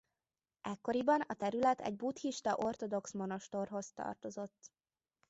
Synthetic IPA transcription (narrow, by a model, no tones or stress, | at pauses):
ɛkːo̞ɾibɒnɒt̪ɛɾylɛt̪ʰɛ̰ɟ̚buːt̪hiʃt̪ɒʔo̞rt̪o̞d̪o̞ksmo̞no̞ʃt̪orɦo̞st̪ɒ̰rt̪o̞zo̞t̪ː